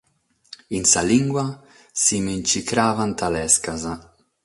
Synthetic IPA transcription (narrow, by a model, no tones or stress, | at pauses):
insaliŋɡwa | simint͡ʃikɾaːvant̪alɛskaza